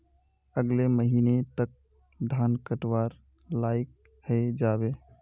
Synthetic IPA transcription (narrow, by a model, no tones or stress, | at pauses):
əɡleməɦiːnet̪ək̚ | d̪ʱaːnkəʈwaːɾ | laːɪk̚ | həed͡ʒaːbeː